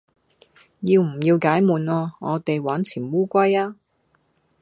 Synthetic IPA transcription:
jiː˧wm̩˨˩jiː˧wkaː˨˥jmuː˨nɔː˧ŋɔː˨˧t̪e˨jwaː˨˥nt͡sʰiː˨˩nwuː˥kʷɐ˥jaː˥

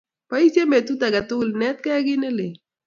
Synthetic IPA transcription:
pa˨˦i˦sje˦me˨t̪u˦t̪a˨ɡa˨t̪ʊ˦ɡlnɛ˦t̪̚kɛ˦ɡɪ˦nɪ˦lɪ˨

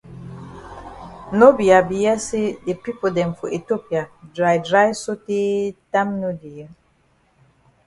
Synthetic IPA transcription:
no˦bi˨a˨bi˨jɛ˦se˦de˨pi˦po˨dɛ̃˨nfɔ˨ʔi˨to˦pi˨a˨dɾa˨jdɹa˦jso˦te˦ta˦mno˦di˨jɛ˦

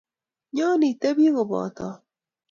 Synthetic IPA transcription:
ɲɔ˦ni˨te˦bi˦ɣo˨bɔ̰˨t̪ɔ˨

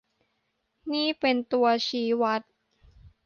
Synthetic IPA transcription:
niː˥˩pe˧nt̪u˧ɐt͡ɕʰiː˨˦wa˦˥t̪̚

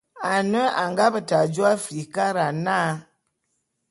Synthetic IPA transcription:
a˨nə˦a˨ŋɡa˦bə˨ta˨d͡ʒo˦a˦fi˨ka˦ɾa˨naː˦

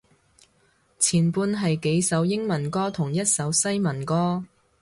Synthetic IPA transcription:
t͡sʰiː˨˩npuː˧nɦɐ˨jke˨˧jsɐ˨˥wjɪ˥ŋmɐ˨˩nkɔː˥t̪ʰʊ˨˩ŋjɐ˥t̚sɐ˨˧wsɐ˥jmɐ˨˩nkɔː˥

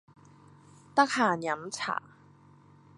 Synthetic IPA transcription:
t̪ɐ˥k̚haː˨˩njɐ˨˥mt͡sʰa̰ː˨˩

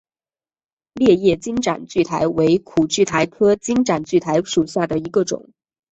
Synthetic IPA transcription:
ljɛ˥˧jɛ˥˩t͡ɕi˥ŋʈ͡ʂa̰˨˩nt͡ɕy˥˩t̪ʰa˧˥ɪwe˧˥ɪkʰu˨˩t͡ɕy˥˩t̪ʰa˧˥ɪkʰɤ˥t͡ɕi˥ŋʈ͡ʂa˨˩nt͡ɕy˥˩t̪ʰa˧˥ɪʂu˨˩ɕja˥˩d̪ə˩i˧˥ɡə˧ʈ͡ʂʊ̰˨˩˦ŋ

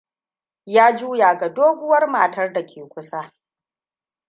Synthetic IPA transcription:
jaː˦d͡ʒuː˦jaː˨ɡa˨doː˦ɡʷʊ˦wɐ˦rma˨tɐ˦rda˨kʲʰeː˨kʷʊ˦sa˦

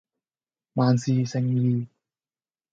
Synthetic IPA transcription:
maː˨˧nsiː˨sɪ˨˩ŋjiː˧

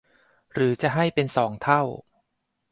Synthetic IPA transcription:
ɾɯː˩˦t͡ɕa˨˩ɦa˥˩jpe˧nsɔː˩˦ŋt̪ʰa˥˩w

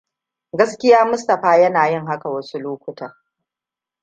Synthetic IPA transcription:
ɡɐ˦skʲɪ˦jaː˦mʊ˦stɐ˨ɸaː˦jɐ˦naː˨jɪ˦ŋɦa˦ka˨wɐ˦su˦loː˦kʷʊ˦tʰɐ˨r

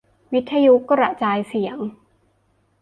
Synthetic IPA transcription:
wi˦˥t̪ʰːa˧ju˦˥kːa˥˩ɾa˨˩ʔt͡ɕaː˧jsi˨˩˦ə˦ŋ

